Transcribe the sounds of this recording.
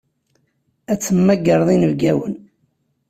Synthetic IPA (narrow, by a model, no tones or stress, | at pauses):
æt͡sːəmːæɡəɾˤðˤinəvɡæwən